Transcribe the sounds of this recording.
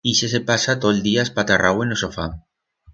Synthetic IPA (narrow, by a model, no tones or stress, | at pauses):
iʃesepasat̪oeld̪iaspat̪arawenosofa̰